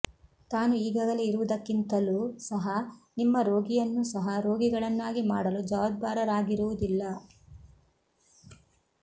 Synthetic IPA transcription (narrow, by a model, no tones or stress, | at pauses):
t̪aːnuiːɡaːɡɐleiɾuʋud̪ɐkːint̪ɐlusɐɦɐnimːɐɾo̞ːɡijɐnːusɐɦɐɾo̞ːɡiɡɐɭɐnːaːɡimaːɽɐlud͡ʒɐʋɐd̪̚baːɾɐɾaːɡiɾuʋud̪ilːɐ